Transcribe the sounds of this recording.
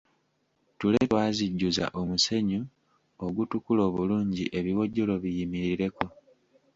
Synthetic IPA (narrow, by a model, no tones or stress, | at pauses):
tuletwaːziɟːuza̰ʔo̞muse̞ɲu | oɡutukulo̞ːβuluːɲɟḭʔe̞βiwo̞ɟːo̞lo̞βijimiɾiɾe̞ko̞